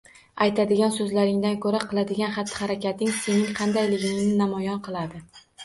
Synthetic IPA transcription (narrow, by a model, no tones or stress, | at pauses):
ajt̪ʰad̪ɪɡʲansɵzlaɾɪŋd̪ankʰɵɾaqʰɨlˠad̪ɪɡʲanχat̪ʰːɪ̥haɾakʲʰat̪ɪŋse̞nɪŋqʰɑnd̪ajlɪɡʲɪɪŋnɪnamɒjɒnqʰɨlˠad̪ɪ